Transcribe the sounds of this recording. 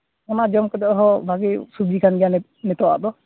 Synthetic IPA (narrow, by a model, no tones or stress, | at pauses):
ɔnad͡ʒɔmkɔd̪ɔʔɦɔbʱaɡɛsubikʰanɡɛjanɛ | nɛt̪ɔwa̰ʔd̪ɔ